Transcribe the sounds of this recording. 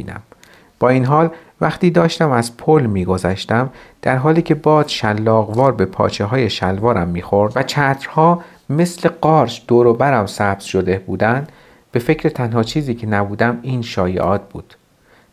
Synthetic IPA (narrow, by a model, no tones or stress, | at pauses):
iːnæ̰m | b̥ɒːiːnɦɒːl | væχt̪iːd̪ɒːʃt̪æmæzpʰolmiːɡo̞zæʃt̪æmd̪̥æɾɦɒːliːcʰe̞bɒːz̥ʃælːɒːɣvɒːɾbe̞pʰɒ̰ːt͡ʃʰeɦɒːje̞ʃælvɒːɾæmːiːxoɾd̪væt͡ʃʰæːt̪ʰɾ̥hɒː | me̞sle̞ɢɒːɾʃd̪̥oːɾobæɾæmsæːb̥z̥ʃod̪e̞b̥uːd̪ænd̪ | b̥e̞fe̞cʰɾe̞t̪ʰænɦɒːt͡ʃʰiːziːcʰe̞næbuːd̪æmiːnʃɒːjḛʔɒːt̪̚b̥ṵːd̪̥